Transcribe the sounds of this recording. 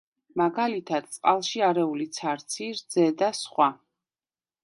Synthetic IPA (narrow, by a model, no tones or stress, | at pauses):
maɡalit̪ʰad̪̥̚t̪sʼqʼalˠʃiaɾɛulit̪sʰaɾt̪sʰiɾd̪zɛd̪asχwa